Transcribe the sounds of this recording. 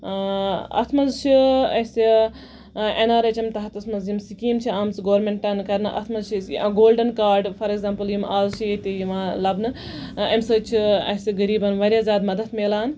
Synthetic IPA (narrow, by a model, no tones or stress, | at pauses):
ɐ̰t̪ʰmɐzt͡ʃʰiɐsi | enaːɾɐt͡ʃɐmt̪ɐɦɐt̪ɐsmɐnzjimsikiːmt͡ʃʰiaːmt͡sɨɡoːɾmeɳʈɐnkɐɾnɨʔɐ̰t̪ʰmɐzt͡ʃʰisɡoːlɖɐnkaːɾɖfʰɐɾekzaːmpɐljimaːzt͡ʃʰijit̪ijimaːlɐbnɨ | ɐmsɐt͡ʃʰiɐ̰siɡɐɾiːbɐnʋɐɾʲjaːzʲjaːd̪mɐd̪ɐt̪ʰmeːlaːn